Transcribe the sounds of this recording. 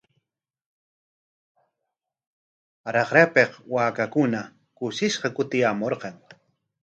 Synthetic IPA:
aɾɑqɾapeqwaːkakʊna | kʊʃɪʃqɑkʊt̪ɪjamoɾqɑŋ

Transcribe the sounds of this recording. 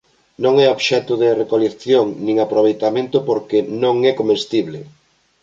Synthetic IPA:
nõŋɛoβʃɛt̪ʊðɪrekolekθjoŋnĩŋapɾoβ̞ejt̪amẽnt̪ʊpoɾkenõŋɛkomest̪iβlɪ

